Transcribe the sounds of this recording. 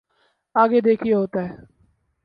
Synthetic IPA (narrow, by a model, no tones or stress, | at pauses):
aːɡed̪eːkʰijaɦoːt̪aɦɛː